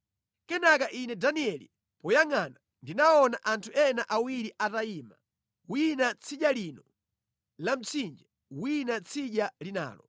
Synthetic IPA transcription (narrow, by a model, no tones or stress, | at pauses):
kɛnakaʔinɛdaniɛlḭ | pɔjaŋana | ndinaɔnaʔantʰuɛnaʔawiɾiʔataima̰ | winat͡sʰiʄalinɔ | lam̩t͡sʰind͡ʒɛ | winat͡sʰiʄalina̰ːlɔ